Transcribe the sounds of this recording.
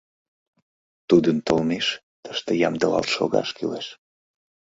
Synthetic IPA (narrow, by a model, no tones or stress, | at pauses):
t̪ud̪ənt̪əlmeʃ | t̪ə̥ʃt̪ejɑmd̪əlɑ̰lt̪ʃo̰ɣɑ̰ʃkileʃ